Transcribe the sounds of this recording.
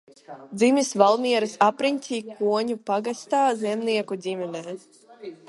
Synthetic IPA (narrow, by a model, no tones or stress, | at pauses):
d̪zimisvalˠmiɛɾɨsapɾinʲt̪ʲiːkuɔɲupaɡast̪aːzɛmniɛkud̪ʲimʲɛnɛː